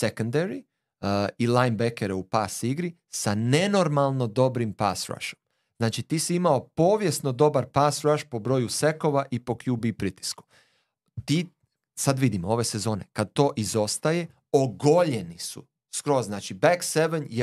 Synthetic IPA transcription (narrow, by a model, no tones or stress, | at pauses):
sekond̪eɾi | ilajnbekeɾeupaːsiɡɾi | sane̞no̞ɾmalˠno̞d̪o̞bɾimpa̰sɾa̰ʃo̥m | znaːt͡ʃit̪iːsiimao̞po̞ːʋje̞sno̞d̪o̞baɾpaːsɾaʃpo̞bɾo̞ːjuse̞ko̞ʋaʔipo̞kjubipɾit̪i̥sku̥ | t̪iː | sad̪ʋid̪imoo̞ʋe̞se̞zo̞ːne̞kad̪̚t̪o̞ːʔizo̞st̪aje̞ | oɡo̞ʎe̞nisṵ | skɾo̞zznaːt͡ʃibakseʋenje